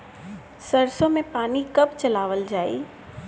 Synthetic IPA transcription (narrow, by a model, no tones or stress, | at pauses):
səɾsõmẽpaːnikɐbt͡ʃɐlaːʋəld͡ʒaːḭː